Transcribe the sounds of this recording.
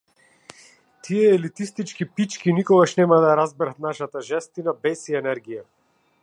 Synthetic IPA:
t̪ʰiɛːlit̪ist̪it͡ʃkipit͡ʃkinikɔɡaʃnɛmad̪aaɾazbɛɾat̪̚naʃat̪aʒɛst̪inabɛsiɛnɛɾɡija

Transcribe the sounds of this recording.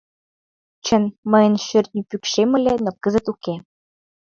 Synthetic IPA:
t͡ɕə̆nmə̆jə̆nʃørt̪̚nʲypykʃemə̆lenokə̆zə̆t̪uke

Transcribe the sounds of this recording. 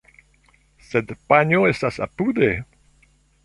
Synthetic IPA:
sed̪paɲoestasa̰pud̪e

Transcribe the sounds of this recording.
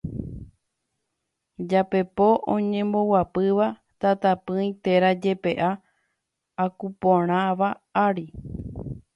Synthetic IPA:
d͡ʒape̞po̞ʔõ̰ɲẽ̞mbo̞wapɨʋa | t̪at̪apɨ̃ĩj̃t̪e̞ɾad͡ʒe̞pe̞ʔaː | kupõɾ̃ãʋa | aɾi

